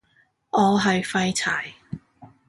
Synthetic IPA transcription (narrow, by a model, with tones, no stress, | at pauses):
ʔɔː˨˧ɦɐ˨jfɐ˧jt͡sʰaː˨˩j